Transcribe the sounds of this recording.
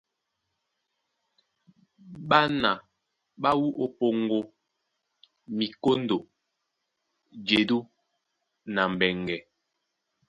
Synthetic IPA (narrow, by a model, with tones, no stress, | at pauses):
ɓa˦na˨ | ɓa˦wu˦ʔo˨po˨ŋɡo˦ | mi˨ko˦ndo˨ | d͡ʒe˨du˦ | na˨m̩˨bɛ˨ŋɡɛ˨